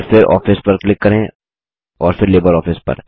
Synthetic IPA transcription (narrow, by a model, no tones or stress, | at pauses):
ɾfɪɾɔ̰ːfɪspɐɾklɪkːɐɾẽː | ɔːɾfɪɾleːbəɾɔːfʰɪspɐ̰ɾ